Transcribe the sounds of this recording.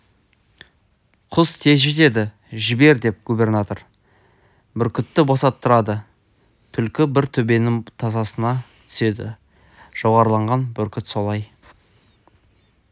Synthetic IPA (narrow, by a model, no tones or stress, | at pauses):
qʰʊst̪ʰe̞zʒʏt̪e̞d̪ɪ | ʒɪbe̞ɾd̪e̞p̚ɡube̞rnat̪o̞ɾ | bʏɾkʲʏt̪ːɪbɑsɑt̪ːəɾɑd̪ə | t̪ʰʏlkʲɪbɪɾt̪ʰɵbe̞nɪŋt̪ʰɑzɑsənɑt̪ʰʏ̥se̞d̪ɪ̰ | ʒ̥owʁɑɾəlˠɑɴʁɑnbʏɾkʲɪt̪so̞lˠɑj